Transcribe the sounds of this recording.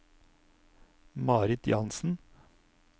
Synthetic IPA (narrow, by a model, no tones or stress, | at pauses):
mɑːɾɪt̪ʰjɑnsn̩